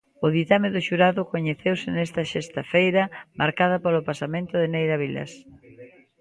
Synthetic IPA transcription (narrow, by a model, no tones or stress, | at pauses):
ʊðit̪ameðʊʃuɾaðʊkoɲeθewsɪnɛst̪ɐʃest̪afejɾɐmaɾkað̞ɐpolʊpasamẽnt̪ʊðenejɾaβilɐ̰s